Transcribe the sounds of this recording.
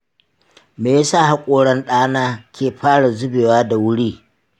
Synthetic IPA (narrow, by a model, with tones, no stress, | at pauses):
meː˨ja˦saː˦˨ha˦kʷʼoː˨ɽɐ˦nɗaː˦naː˦kʲeː˨ɸaː˦ɽa˨zʊ˦beː˨waː˦da˨wʊ˦ɽiː˦